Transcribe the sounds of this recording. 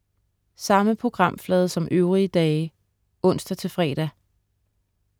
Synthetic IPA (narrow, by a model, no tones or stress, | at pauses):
sɑ̈məpʰʁo̝ɡ̥ʁɑ̈m̰flɛːðˠsɒ̽mʔøʊʁiəd̥ɛː | ɔ̽n̰sd̥æt͡sʰe̝lfʁɛ̰ːɾ̥æ